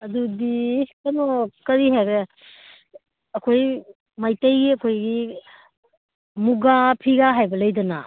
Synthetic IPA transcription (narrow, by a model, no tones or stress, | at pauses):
ɐdudikɐnɔkɐɾiɦeɾɛ | ɐkʰoj | majtɐjɡiɐkʰojɡi | muɡapʰiɡaɦajbɐlɐjdɐna̰